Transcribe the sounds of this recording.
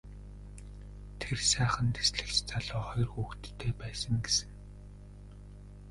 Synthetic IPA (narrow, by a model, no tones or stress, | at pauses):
t̪ʰersæːχə̆nt̪ʰe̥sɮɘ̆xt͡ɕt͡sʰaɮʊːχɔjɞrxuːxt̪ʰːeːpæːsə̆ŋɡesɘ̆ŋ